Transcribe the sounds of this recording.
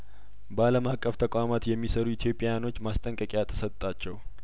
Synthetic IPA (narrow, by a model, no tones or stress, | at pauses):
bəaləmakʼːəft̪ʰəkʷʼamat̪jɛmːisəɾuit̪ʰjo̞pʼːajano̞t͡ʃːmast̪ʼəŋkʼəkʼjat̪ʰə̥sət̪t̪ʼːat͡ʃːɛw